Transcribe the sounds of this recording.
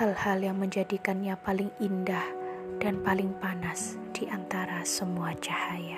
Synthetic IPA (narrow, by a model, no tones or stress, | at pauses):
halhaljaŋməɲd͡ʒadikanɲapalɪŋindahd̥anpalɪŋpanasd̥iʔant̪aɾasəmuat͡ʃahaja